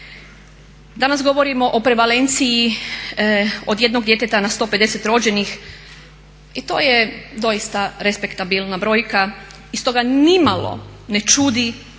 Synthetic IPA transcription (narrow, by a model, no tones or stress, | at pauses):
d̪anasɡo̞ʋo̞ɾimo̞ʔopɾe̞ʋale̞nt̪siji | od̪je̞d̪no̞ɡd̪je̞t̪et̪anast̪o̞ːpe̞d̪e̞set̪ɾo̞d͡ʑe̞nix | it̪o̞̰ːjed̪o̞jist̪aɾespe̞kt̪abilnabɾo̞ːjka | ist̪o̞ɡanimalo̞̰ne̞t͡ʃud̪i